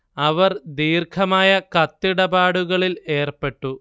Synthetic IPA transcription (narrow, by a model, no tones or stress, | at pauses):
ɐʋɐrd̪iːrkʰɐmaːjɐkɐt̪ːiɽɐbaːɽuɣɐɭile̞ːrpe̞ʈːu